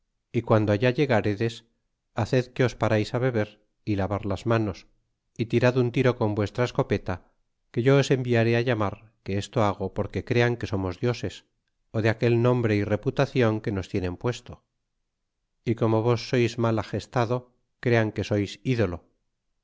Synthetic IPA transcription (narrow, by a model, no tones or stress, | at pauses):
ikwand̪oaʝaʝe̞ɣaɾeðe̞s | aθe̞ðke̞o̞spaɾajsaβ̞e̞β̞e̞ɾ | ilaβaɾlazmano̞s | it̪iɾaðunt̪iɾo̞ko̞mbwe̞st̪ɾaesko̞pe̞t̪a | ke̞ʝo̞ːse̞mbiaɾe̞aʝamaɾ | keest̪o̞aɣ̞o̞po̞ɾke̞kɾe̞aŋke̞so̞mo̞zðjo̞se̞s | oðeake̞lnõ̞mbɾe̞ire̞put̪aθjo̞ŋke̞no̞st̪je̞nẽ̞mpwe̞st̪o̞ | iko̞mo̞β̞o̞sːo̞jzmalaxe̞st̪aðo̞ | kɾe̞aŋke̞so̞jsiðo̞lo̞